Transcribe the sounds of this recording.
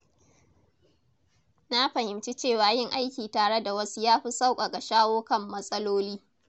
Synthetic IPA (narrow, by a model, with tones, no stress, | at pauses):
na˦ɸɐ˨hɪ˨mt͡ʃi˦t͡ʃeː˦˨waː˨jɪ˦˨ŋʔa˦jkʲiː˨taː˨ɽe˦da˨wɐ˦su˦jaː˦ɸi˦sa˦wkʷʼa˨ɡa˨ʃaː˦woː˦kɐ˦mːɐ˦sʼɐ˦loː˦liː˦